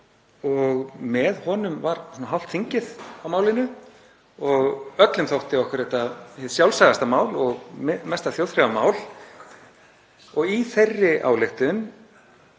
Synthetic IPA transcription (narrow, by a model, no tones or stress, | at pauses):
ɔɣmɛðhɔːnʏmvaɾ̥sunaɦal̥t̪θiɲcɪðawmaːwlɪnʏ | ɔɣœt̪lʏmθowht̪ɪɔhkʏɾɛht̪ahɪðsjawlsajɣast̪amaːwlɔɣmmɛst̪aθjowðθfɾavamaːwl | ɔɣiθejrːɪʔa̰ːwlɪxt̪ʏn